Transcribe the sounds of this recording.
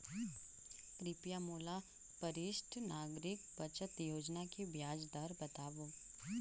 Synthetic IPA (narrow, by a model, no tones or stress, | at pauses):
kɾɪpjamoːla | pɐɾɪʃʈʰnaːɡɾɪkbɐt͡ʃət̪joːd͡ʒnakebjaːd͡ʒd̪aɾbɐt̪aːʋoː